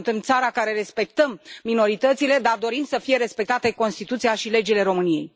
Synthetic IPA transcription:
nt̪ɨmt̪saɾakaɾe̞ɾe̞spe̞k̚t̪əmːino̞ɾit̪ət̪sile̞d̪ard̪o̞ɾimsəfije̞ɾe̞spe̞k̚t̪at̪e̞ko̞nst̪it̪ut̪siaʃile̞d͡ʒile̞ɾo̞mɨnije̞̰j

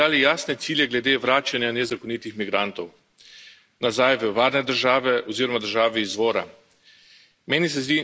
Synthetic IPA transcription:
aːlijaːsnɛt̪siːljɛɡlɛd̪eːʋɾaːt͡ʃanjanɛzakɔnit̪ixmiɡɾant̪ɔw | nazajʋəʋaːɾnɛd̪əɾʒaːʋɛʔɔziːɾɔmad̪əɾʒaːʋiːzʋɔːɾa̰ | meːnis̬ɛzd̪iː

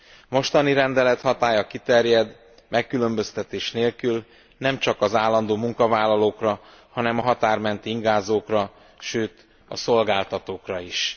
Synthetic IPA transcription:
mo̞ʃt̪ɒniɾɛnd̪ɛlɛt̪hɒt̪aːjɒkit̪ɛrjɛd̪ | mʔɛkːylø̞mbø̞st̪ɛt̪eːʃneːlkyl | nɛmt͡ʃɒkɒzaːlːɒnd̪oːmuŋkɒvaːlːɒloːkrɒ | hɒnɛmɒɦɒt̪aːrmɛnt̪iiŋɡaːzoːkrɒ | ʃøːt̪ | ɒ̰so̞lɡaːlt̪ɒt̪oːkrɒiʃ

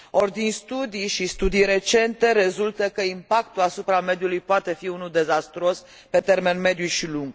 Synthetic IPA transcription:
ord̪inst̪ud̪ijʃist̪ud̪ijɾe̞t͡ʃe̞nt̪e̞ɾe̞zult̪əkəimpak̚t̪ulasupɾame̞d̪julujpoat̪e̞fiunud̪e̞zast̪ɾo̞s | pe̞t̪e̞rme̞nme̞d̪juʃiluŋɡ

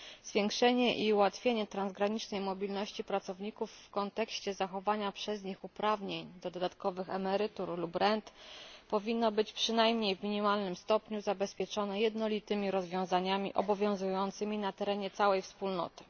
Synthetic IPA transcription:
z̥vʲjɛŋkʂɛɲɛʔiuwat̪fʲjeɲɛt̪ɾanzɡɾaɲit͡ʂnɛjmɔbʲilnɔɕt͡ɕipɾat̪sɔvɲikufːkɔnt̪ɛkɕt͡ɕɛzaxɔvaɲapʂɛzɲixupɾavɲeɲd̪ɔd̪ɔd̪at̪kɔvɘxɛmɛɾɘt̪uɾlupɾɛnt̪pɔvʲinːɔbɘt͡ɕpʂɘnajmɲejvmʲiɲimalnɘmst̪ɔpɲuzabɛspʲjɛt͡ʂɔnɛjɛd̪nɔlʲit̪ɘmʲiɾɔzvʲjɔ̃w̃zaɲamʲḭʔɔ̰bɔvʲjɔ̃w̃zujɔnt̪sɘmʲinat̪ɛɾɛɲɛt̪sawɛjfspulnɔ̰t̪ɘ̥

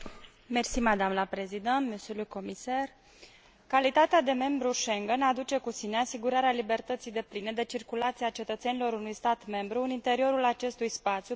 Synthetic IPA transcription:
me̞rsimad̪amləpɾezid̪ent̪mesuluko̞misar | kalit̪at̪ead̪e̞me̞mbɾuʃe̞ŋɡənad̪ut͡ʃe̞kusine̞asiɡuɾaɾealibe̞rt̪ət̪sijd̪e̞pline̞d̪e̞t͡ʃirkulat̪siat͡ʃe̞t̪ət̪se̞nilo̞ɾunujst̪at̪me̞mbɾuɨnint̪e̞ɾio̞ɾulat͡ʃe̞st̪ujspat̪sju

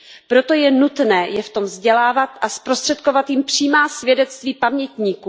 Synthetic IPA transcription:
pɾo̞t̪o̞jɛnut̪nɛːjɛft̪o̞mvzɟɛlaːvat̪ʔaspɾo̞st̪r̥ɛt̪̚ko̞vat̪jɪmpr̝̥iːmaːsvʲjɛdɛt͡st̪viːpamɲɛt̪ɲiːkuː

